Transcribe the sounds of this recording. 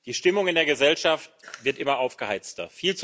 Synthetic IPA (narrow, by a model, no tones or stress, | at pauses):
d̥iːʃtɪmʊŋɪndeːɐɡəzɛlʃaftv̥ɪɐtʔɪmɐʔaʊfɡ̥əhaɪt͡stɐ̰fiːlt͡s